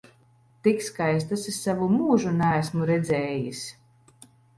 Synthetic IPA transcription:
t̪ikskajs̬t̪asisavumuːʒunæːsmuɾɛd̪zʲɛːjis

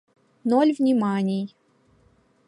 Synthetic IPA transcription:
nolʲvnʲɪmanʲɪj

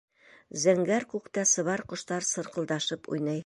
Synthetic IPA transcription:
zæŋɡæɾkʉkt̪æsɤ̆βɑɾqŏʃt̪ɑɾsɤ̆ɾqɤ̆lˠd̪ɑʃɤpṵjnɤj

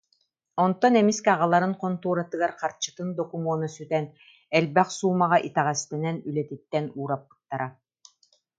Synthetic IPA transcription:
ɔnt̪ːɔnɛmiskɛaʁalˠaɾɯŋqɔnt̪uːɾat̪ɯɡaɾqaɾt͡ɕɯ̥t̪ɯnd̪ɔkumuːnɔsyt̪ɛn | ɛlbɛχsuːmaʁaʔit̪ɛʁɛst̪ɛnɛnylɛt̪it̪ːɛnuːɾap̚ːɯ̥t̪ːaɾa

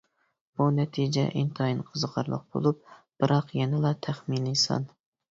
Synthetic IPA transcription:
b̥unɛt̪ʰid͡ʒɛ̰ʔint̪ʰɑjinqʰəzəqʰɑ̰ɾlˠə̰q̚b̥o̰lˠup̚b̥ɨɾɑqjɛnɪlˠɑt̪ʰæχminisɑ̰n

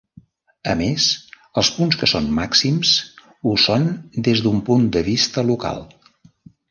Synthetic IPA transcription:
ə̰mes | əlˠspunskəsonmaksims | usond̪ezðumpund̪əβist̪əluka̰lˠ

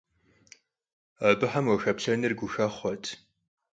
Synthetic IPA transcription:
ɐbɨħɐmwɐxɐpɬɐnɨrɡʷʊxɐχʷɔtʰ

